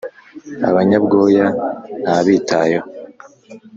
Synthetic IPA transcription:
a̰βaɲabɡo̞ːjan̥haβiːtʰajo

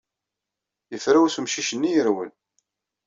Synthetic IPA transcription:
jəfɾæwæsəmʃiʃənːijəɾwən

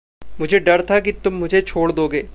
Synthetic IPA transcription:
mʊd͡ʒʱeɖɐɾt̪ʰak̬it̪ʊmːʊd͡ʒʱet͡ʃʰoːɽd̪oːɡeː

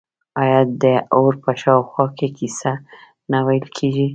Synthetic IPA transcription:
ɑjɑd̪əoɾpəʃɑwxwɑkekisa | nawajəlkʰeʒi

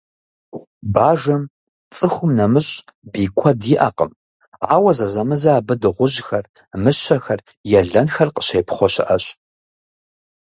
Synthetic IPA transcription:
baːʒɐm | t͡sʼɨxʷʊmnɐmɨɕʼbiːkʷʰɔdɪʔɐ̰qə̰m | aːwɐzɐzɐmɨzaːbɨdɨʁʷʊʑxɐr | mɨɕɐxɐr | jɛɮɐnxɐrqəɕejpʰχʷɔɕɪ̰ʔɐɕʼ

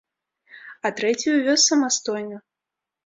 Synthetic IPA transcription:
ɐt̪ɾɛt͡sʲijuvʲɔsːɐmast̪ɔjnɐ

